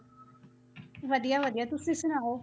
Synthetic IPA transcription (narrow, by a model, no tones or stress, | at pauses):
ʋəd̪ijaːʋəd̪ijaːt̪ʊsĩːsʊnaːoː